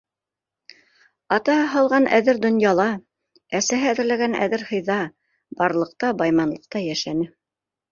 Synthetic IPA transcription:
ɑt̪ɑɦɑlˠʁɑnʔæ̰ðɘɾd̪ŏnjɑlˠɑ | æsæɦæðɘ̆ɾlæɡænæ̰ðɘɾhɤ̆jðɑ | bɑɾlˠɤ̆q̚t̪ɑbɑjmɑnlˠɤ̆q̚t̪ɑjæʃænɘ

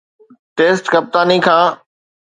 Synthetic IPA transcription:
ʈeːsʈkɐp̚t̪aːnikʰãː

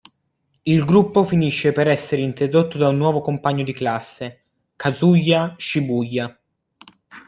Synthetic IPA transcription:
ilɡɾupːofiniʃːepeɾɛsːeɾeint̪ɾod̪ot̪ːod̪aunːwɔːvokompaɲːod̪iklasːe | kazuʎːaʃibujːa

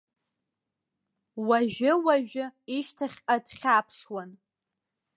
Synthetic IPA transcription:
waʒᶣɪwaʒᶣʊiʃtʰaχʲadχʲapʰʂwan

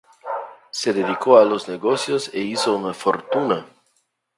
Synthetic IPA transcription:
seðeðikoalozneɣosjoseisounafoɾt̪una

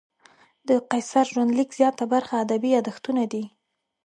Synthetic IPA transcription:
d̪əqajsaɾʒwand̪likz̥jɑt̪abaɾxaːd̪abiad̪axt̪unad̪i

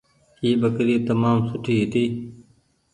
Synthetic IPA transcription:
iːbəkɾiːt̪əmaːmsʊʈʰiːɦit̪iː

